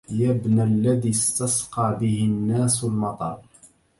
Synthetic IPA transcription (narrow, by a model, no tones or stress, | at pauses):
jabnalːaðiːst̪ɑsqɑːbɪhɪnːaːslmɑt̪ˤɑ̰ɾˤ